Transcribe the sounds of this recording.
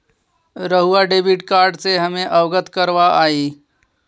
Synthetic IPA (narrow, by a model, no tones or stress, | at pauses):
ɾəɦuaɖebiʈkaɾɖseɦəmẽʔəʋɡət̪kəɾʋaʔaːiː